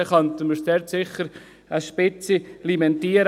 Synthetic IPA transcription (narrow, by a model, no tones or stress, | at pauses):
əχɑnt̪əməsdɛɾtsɪχəɾ | əʃpɪt͡silimɛnt̪iːəɾ